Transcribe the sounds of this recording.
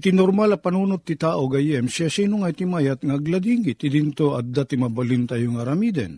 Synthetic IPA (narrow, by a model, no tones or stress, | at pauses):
t̪ɪnoɾmalɐpɐnunot̪̚ːɪt̪aːʔoɡɐjɛmsasinoŋɐjt̪ɪmajat̪̚ŋaɐɡlad̪iŋɡɪt̪ɪd̪int̪oɐd̪at̪ɪmabalint̪ajoŋɐɾamid̪ɛ̰n